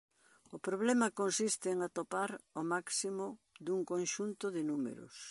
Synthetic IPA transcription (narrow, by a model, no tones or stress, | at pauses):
ʊpɾoβ̞lɛmɐkonsist̪ɪŋat̪opaɾomaksimʊd̪uŋkõnʃunt̪ʊðɪnumḛɾʊ̰s